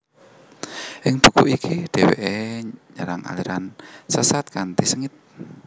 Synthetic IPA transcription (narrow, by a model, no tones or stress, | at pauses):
ʔɪŋb̥ukuʔikiɖ̥ewḛʔeɲəɾaŋa̰liɾʔansəsat̪̚kant̪isəŋɪt̪̚